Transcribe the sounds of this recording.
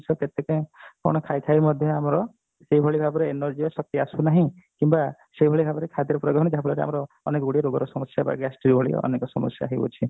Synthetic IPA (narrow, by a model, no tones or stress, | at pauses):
sɔket̪ekẽkɔ̰ɽ̃ɔkʰajt̪ʰajmɔd̪ʱjɔamɾɔ | seibʱɔɭibʱabɔɾeːnɔɾd͡ʒibasɔk̚t̪iasunaɦĩ | kimba | seibʱɔɭibʱabɔɾekʰad̪iɾɔpɾɔɡɔɦɔ̃ɽ̃d͡ʒaɦablɔɾea̰mɔɾɔːnekɔɡuɽiɔɾoɡɔɾɔsɔmɔsjaba̰ɡasʈɾiɾbʱɔɭḭɔ̰nekɔsɔmɔ̰sja̰aɦibɔ̰t͡ʃʰi